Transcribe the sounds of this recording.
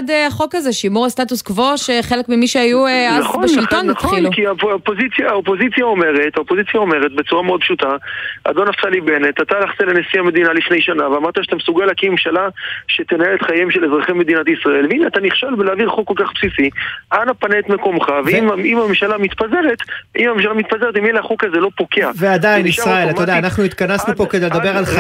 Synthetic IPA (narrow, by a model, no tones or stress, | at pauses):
d̪eaχo̞kaze̞ʃimuastatuskvo̞ʃeχelekmimiʃeajuanzχoʃilonχtilukiaopozit͡sjaaopo̞zit͡sjaome̞ʁet̪haopozit͡sjao̞me̞ʁet̪bet͡suʁameod̪̚pʃut̪aa̰d̪onaft͡salibenet̪at̪alaχt̪elenesiame̞d̪inalifne̞jʃanaveamaʁtaʃat̪amesuɡalakimemʃalaʃet̪enaelet̪χajemʃelezʁaχeme̞d̪inat̪isʁae̞lveinat̪aniχʃalbeleavilχokːo̞lkaχpsisianapanet̪me̞ko̞mχaveimimamemʃalamit̪paze̞ʁet̪ʔimamemʃalamit̪pazeʁetimjelehaχokazelo̞pokeavead̪ajnisʁaelat̪ajod̪aːnaχnuit̪kanasnupo̞ked̪ejled̪abeʁala